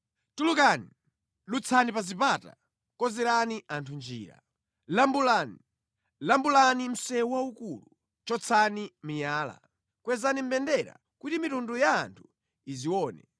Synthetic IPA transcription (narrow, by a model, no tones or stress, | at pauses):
tulukani | lut͡sʰanipazipata̰ | kɔzɛɾaniʔantʰund͡ʒḭːɾa̰ | lambulani | lambulanim̩sɛwaukulu | t͡ʃɔt͡sʰanimijaːla̰ | kwɛzanim̩bɛndɛɾa̰ | kutimitundujaːntʰu̥ | iziwɔːnɛ̰